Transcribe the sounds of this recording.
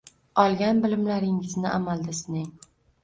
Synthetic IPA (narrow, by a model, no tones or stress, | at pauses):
ɒlˠɡʲanbɪlɪmlaɾɪŋɪznɪʔamalˠd̪asɪnɪŋ